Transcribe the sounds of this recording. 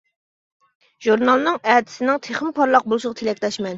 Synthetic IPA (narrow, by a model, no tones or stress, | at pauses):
ʒ̥uɾnɑlˠnɨŋæt̪ʰɪ̥sɪnɪŋt̪ʰeχəmpʰɑɾlˠɑq̚bolˠuʃɨʁɑt̪ʰelɛkʲlɛʃmɛn